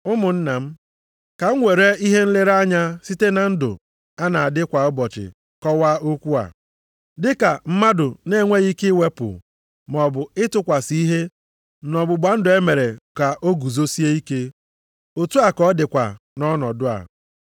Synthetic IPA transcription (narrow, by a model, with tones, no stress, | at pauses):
ʊ˦mʊ˨n̩˦na˨m̩˦ | ka˨ŋ̩˦ŋʷe˨ɾe˦i˦ɦe˦n̩˦lɪ˦ɾa˦ɲa˦si˦te˦na˨n̩˦dʊ̰˨ | a˦na˨a˨dɪ˦kʷa˨ɔ˦bɔ˨t͡ʃɪ̰˨ | kɔ˦wa˦o˦kʷu˦a̰˨ | dɪ˦ka˨m̩˦ma˦dʊ˨ne˦˨ŋʷe˦ɣi˦kɪ˦we˦pʊ̰˨ | mɔ˨bʊ˨ɪ˦tʊ˦kʷa˨si˦i˦ɦe˦ | nɔ˨bʊ˨ɡ͡ba˨n̩˦dʊ˨e˦me˨ɾe˨ka˨ʔo˦ɡu˨zo˦si˦e˦i˦ke˦ | o˨tu˦a˨kɔ˦dɪ˨kʷa̰˨ | nɔ˦nɔ˨dʊ˦a̰˨